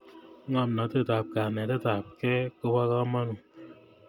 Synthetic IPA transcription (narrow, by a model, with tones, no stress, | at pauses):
ŋa˨mna˨te˦ta˨p̚ka˨nɛ˨te˦ta˨p̚kɛ˦ko˦ba˦ka˦ma˦nu˨